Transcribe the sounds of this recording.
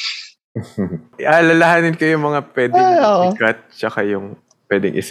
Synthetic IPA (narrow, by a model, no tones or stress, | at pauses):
alɐlɐhaːnɪnkɐjʊŋmɐŋapwɛd̪ɪoʔkɐt̪̚t͡ʃɐkajʊŋ | pwɛd̪ɪ̰ŋʔɪ̰s